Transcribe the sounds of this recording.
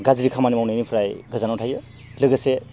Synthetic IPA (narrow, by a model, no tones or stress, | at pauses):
ɡaziɾikʰamanimawnejnipʰɾajɡɯzanawtʰajɯ | lɯɡase